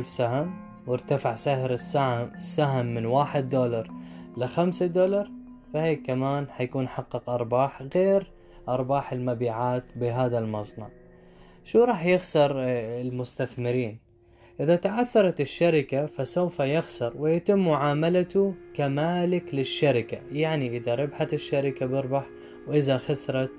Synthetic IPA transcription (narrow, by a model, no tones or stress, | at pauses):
lfsaham | wɪɾt̪afaʕsahɾɪssːaɦamːɪnwaːħɪd̪ːoːlɑɾˤlɪxamsad̪olɑɾˤ | faheːkːamaːnhajakuːnħɑqːɨqʔɑɾˤbɑːħɣeːɾ | ʔɑɾˤbɑːħɪlmabiːʕaːt̪bɪɦaːðalmɑsˤnɑ̰ʕ | ʃuːɾˤɑːħjɪɣsɑɾˤɪlmʊst̪aθmɪɾiːn | ʔɪðat̪aʕaθːɑɾˤɑt̪ɪʃːaɾɪkafasawfajɪxsɑɾˤwɪjɪt̪ɪmːʊʕaːmalat̪ʊkamaːlɪklɪʃːaɾɪkajaʕniʔɪðaɾˤɪbħat̪ɪʃːaɾɪkabɪɾbɑħ | wʔɪðaxasɾˤɑt̪